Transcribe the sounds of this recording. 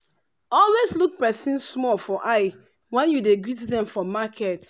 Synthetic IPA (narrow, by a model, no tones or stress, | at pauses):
ɔlwesluk̚pɛsĩnsmɔlfɔʔaɪ | wɛ̃njudeɡɹitdɛ̃mfɔmakʰɛt